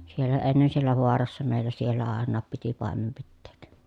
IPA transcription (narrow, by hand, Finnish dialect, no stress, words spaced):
sielːæ enːen sielːæ ʋoɑrɑsːɑ meˑi̯lːæ sielːæ ɑˑenːɑːp piti pɑˑemem pitːeːk